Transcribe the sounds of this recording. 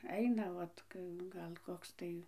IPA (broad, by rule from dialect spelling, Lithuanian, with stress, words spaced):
ˈɐɪnɐ ˈʋɐt ˈɡɐlˠ ˈkoːks tɐɪ